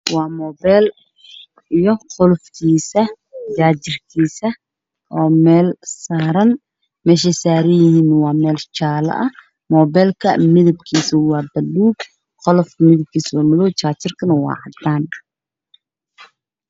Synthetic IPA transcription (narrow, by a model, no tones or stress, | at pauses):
wɑːmɔːbɛl | ijɔqɔlfkʰiːsɐ | t͡ʃaːt͡ʃɪrkʰiːsɐ | ʔɔːmɛːlsaːɾɐn | mɛːʃɛsaːɾɪjɪhiːnwɑːmɛːlt͡ʃaːlɐ̰ʔɐ | mɔːbɛːlkʰɐmɪðɐb̚kʰiːsʊwɑːbɐlːuːɡ | qɔlɔfmɪðɐb̚kʰiːsɔːmɪlɔːt͡ʃaːt͡ʃɪrkʰɐnɐwɑ̰ːʕɐd̪aːn